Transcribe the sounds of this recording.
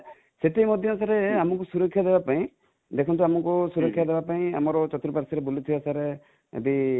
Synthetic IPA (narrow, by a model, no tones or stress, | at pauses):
set̪emɔd̪ʱjɔnsaɾeamɔkusuɾɔkʰːjad̪ebapaĩ | d̪ekʰɔnt̪̬uamɔkusuɾɔkʰːjad̪ebapaĩa̰mɔɾɔt͡ʃɔt̪ɾupaɾsiɾebulit̪ʰibasaɾe | ḛd̪i